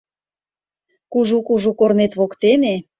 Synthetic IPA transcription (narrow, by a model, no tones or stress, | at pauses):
kuʒukuʒukornet̪βokt̪ene